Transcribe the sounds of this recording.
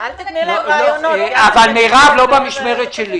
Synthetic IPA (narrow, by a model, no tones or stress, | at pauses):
avalmejʁavlobamiʃmeʁet̪ʃeli